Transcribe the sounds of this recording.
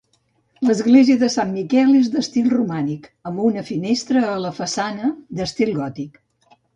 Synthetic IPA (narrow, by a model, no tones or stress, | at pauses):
ləzɣleziəðəsamːikɛlˠezðəst̪ilˠrumanikəmbunəfinest̪ɾəːləfəsanəd̪əst̪ilˠɣɔt̪ik